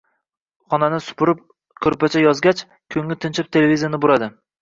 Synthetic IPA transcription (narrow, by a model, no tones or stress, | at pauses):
χɒnanɪsʊ̥pʰʊɾɪp̚ | kʲʰɵɾpat͡ʃʰajɒzɡʲat͡ʃ | kʲʰɵŋlɪt̪ʰɪnt͡ʃʰɪp̚t̪ʰe̞levʲizijanɪbʊɾad̪ɪ